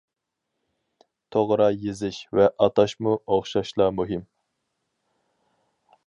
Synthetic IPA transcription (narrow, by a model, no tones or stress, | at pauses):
t̪ʰoʁɾɑjezɪʃvɛʔɑt̪ʰɑʃmuoχʃɑʃlˠɑmuɦim